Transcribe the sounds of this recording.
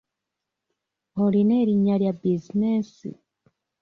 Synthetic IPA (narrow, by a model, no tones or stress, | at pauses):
oline̞ːɾiɲːaljabizinesḭ